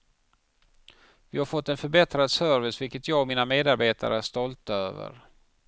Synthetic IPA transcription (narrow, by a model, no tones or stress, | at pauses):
vɪhaɾfɔt̪ːɛnfœɾbɛt̪ɾad̪sœɾvɪsvɪlkət̪jɑːɡɔmiːnameːd̪aɾbeːt̪ʰa̰ɾəæʂt̪ɔlt̪aø̰ːvə̰ɾ